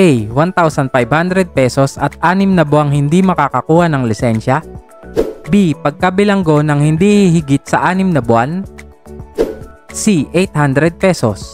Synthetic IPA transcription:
ʔɛjwant̪awsɐnfajbhand̪ɾɛd̪̚pɛsosɐt̪̚ʔaːnɪmnɐbʊaŋhɪnd̪imɐkakɐkuːhɐnɐŋlɪsɛnʃɐ | bipɐɡ̚kɐbɪlɐŋɡo̞nɐŋhɪnd̪ihɪhɪɡɪt̪̚sɐʔaːnɪmnɐbʊan | siʔejt̪̚hand̪ɾɛd̪̚pɛsos

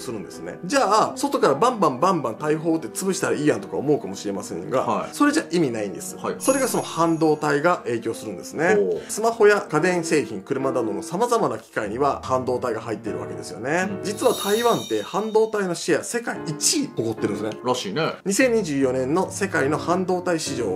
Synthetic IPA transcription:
sɨɾɯ̟̃nd̪e̞sɨne̞̰d͡ʑaːso̞t̪o̞kaɾabãmbãmbãmbãnt̪aiɦo̞ːt̪ːe̞t͡sɨbɯ̟ɕi̥t̪aɾaiːjãnt̪okaomo̞ɯ̟kamo̞ɕiɾe̞masẽ̞̰ŋɡa̰so̞ɾe̞ʑaʔimʲinaĩnd̪e̞sɨ̥so̞ɾe̞ɡaso̞no̞hãnd̪o̞ːt̪aiɡaʔe̞ːkʲo̞ːsɨɾɯ̟̃nd̪e̞sɨne̞sɨmaho̞jakad̪ẽ̞ɰ̃se̞ːçĩŋkɯ̟ɾɯ̟mad̪ad̪o̞no̞samazamanakʲi̥kaiɲ̟iβahãnd̪o̞ːt̪aiɡaɦait̪ːe̞iɾɯ̟βake̞d̪e̞̰sɨjo̞̰ne̞d͡ʑit͡sɨβat̪ʰaiβãnt̪e̞hãnd̪o̞ːt̪aino̞ɕijase̞kaiit͡ɕioko̞t̪ːeɾɯ̟nesneɾaɕiːneɲ̟isẽ̞ɲ̟iʑɨːjo̞nẽ̞nːo̞se̞kaino̞hãnd̪o̞ːt̪aiɕiʑo̞ː

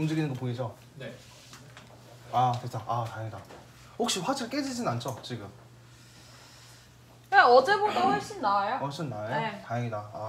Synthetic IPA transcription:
umd͡ʑɯɡinɯnŋɡʌpoid͡ʑʌ | atet͡ɕʰaʔatajeŋida | hok̚ɕ͈iɸwad͡ʑʰiɭk͈ed͡ʑid͡ʑinɯnant͡ɕ͈ʰot͡ɕiɡɯm | aʌd͡ʑe̞bodahʌɭɕ͈inːaajohʌɭɕ͈innːajoetajeŋidaa

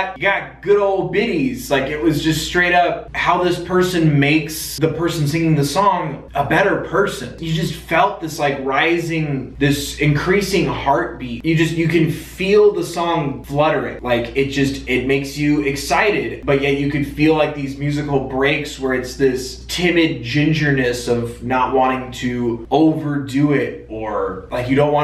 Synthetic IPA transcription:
t̚jɨɡɑt̚ɡ̥ʊɾoʊlˠd̚bɪɾiz̥laɪkɨt̚wʌzd͡ʒʌststɹ̥eɪɾʌp̚haʊðɪspʰɜ˞sɨ̃nmeɪksðɨpʰɜ˞sn̩sɪ̃ŋɪ̃ŋðɨsɔ̃ŋ | əbɛɾə˞pʰɜ˞sɨ̃njɨd͡ʒʌstfɛlˠt̪̚ðɪslaɪkɹaɪzɪ̃ŋðɪsɨ̃nkʰɹ̥isɪ̃ŋhɑɹt̚b̥itjɨd͡ʒʌstjɨkɨ̃nfilˠðəsɔ̃ŋflʌɾə˞ɪ̰̃ŋlaɪkɨt̚d̥ʒ̥ʌstɪt̚meɪksjɨɪksaɪɾɪd̚b̥ʌt̚jɛt͡ʃɨkɨ̃dfilaɪk̚ðizmjʉzɨkl̩ˠbɹeɪkswə˞ɨtsðɪstʰɪ̃mɨd̚d͡ʒɪ̃nd͡ʒə˞nɨsʌvnəʔ̚wɑ̃ɾ̃ɪ̃ŋtʰɨoʊvə˞dʉɪɾ | ə˞laɪkjɨɾõʊ̃nʔwɑ̃

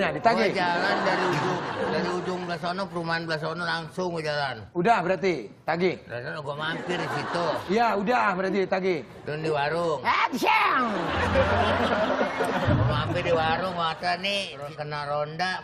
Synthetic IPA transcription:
ɲadit̪aɡɪd͡ʒalandaɾiud͡ʒʊŋdaɾiud͡ʒʊŋbəlasonɔŋpəɾumanblasonɔŋlaŋsʊŋwud͡ʒalanudahbəɾart̪it̪aɡihla̰sanɡɔʔmampɪrdisit̪uijaudahbəɾart̪it̪aɡɪ | dʊndiwaɾʊŋasaŋ | ɡɔmampɪrdiwaɾʊŋwat̪ani | kənaɾondaʔ

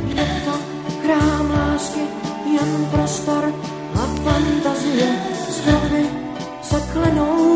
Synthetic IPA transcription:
nɛt̪ɔ | kɾaːmaːskɪjɛnpɾɔst̪ɔɾ | afant̪azɪjɛsɔvɪ | sɛklɛnow

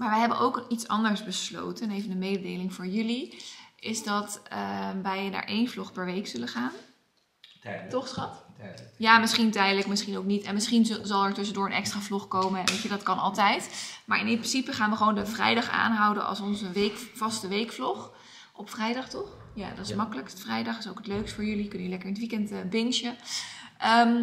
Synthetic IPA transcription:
maːɹʋəjɦɛbənʔowkitsɑ̰ndəɹsbəslo̰wtənejvəndəmejdədejlɪŋvʊːɹjʏliɪzdɑtəʋɛjna̰ːɹʔejnvlɔχpɛɹʋejksɵləχaːn | tɔχsχɑtjaːmɪsχintɛjdələkmɪsχinowknitɛnmɪsχinzɑlˠɛɹtɵs̬əndʊːɹənʔɛ̰kstraːvlɔχkowmənʋejt͡ʃədɑtkɑnɑlˠtɛjtmaːɹɪnɪmprɪnsipəχaːnʋəχʋowndəvrɛ̰jdɑχa̰ːnɦɑwdənɑ̰lˠsɔnzəʋejkvɑstəʋejkflɔχ | ɔpfrɛjdɑχtɔχ | ja̰dɑtɪsmɑkələktfrɛjdɑχɪso̰wkətløɥkstfʊːɹjɵlikɵnilɛkəɹəntʋikɛntːbɪnʃəʔəm

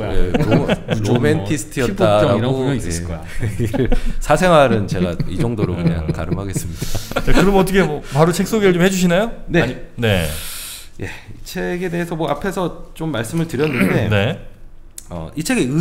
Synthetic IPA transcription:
je | omentʰisʰɯ̥tʰijʌt͈aɾaɾoik͈ | sʰasʰe̞ŋɦwaɾɯnt͡ɕe̞ɡaid͡ʑʌŋdoɾokɯɲa̰ŋka̰ɾɯmɦaɡe̞s͈ɯmɲidat͡ɕakɯɾʌmʌt̬͈ʌkʰemʌpaɾot͡ɕʰe̞k̚s͈oɡeɾɯɭt͡ɕomhe̞d͡ʑuɕ̬ʰinajonene̞ | je̞̰it͡ɕʰe̞ɡe̞de̞esʰʌmwʌapʰe̞sʰʌt͡ɕomːaɭs͈ɯmɯɭtɯɾjʌnːɯnde̞ne̞ | ʌ̰it͡ɕʰe̞ɡe̞ɯ

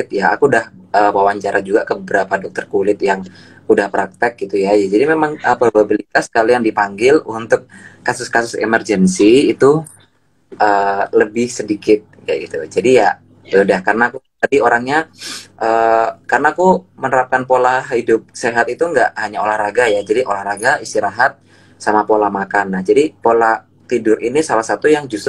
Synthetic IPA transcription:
ɪt̪̚ja̰ːkudahəːwawaɲt͡ʃaɾʔad͡ʒuɡakəbəbəɾapadɔk̚t̪ərkulɪt̪jaŋ | udahpɾak̚t̪ɛk̚ɡit̪ujajad͡ʒadimemaŋapababilit̪askalijaŋdipaŋɡɪlunt̪ʊk̚ːasʊskasʊsḛmərd͡ʒənsiːt̪u | ʔəːləbɪhsədikɪt̪̚jaɡit̪ud͡ʒadija | udahkarnakut̪adioɾaŋɲaʔəːkarənaːkumənəɾap̚kanpolahhidʊp̚seɦat̪it̪uŋɡaʔhaɲaolahɾaɡajad͡ʒadiʔolahɾaɡaist̪iɾaɦat̪̚ | samapolahmakanad͡ʒadipola | t̪idʊɾinisalahsat̪ujaŋd͡ʒust̪

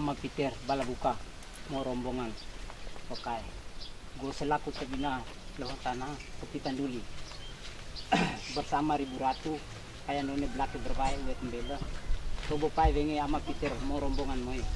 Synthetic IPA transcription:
amapit̪ɛrbalabuka | moɾɔmbɔŋanpakaiɡosɛlakut̪abina | lɔɦɔt̪anakəpit̪anduli | bərsamaɾibuɾat̪u | kajandonebəlakibərbaɛuwɛt̪mbɛlat̪ɔbopaɛwɛŋeamapit̪ɛrmoɾɔmbɔŋanmoi

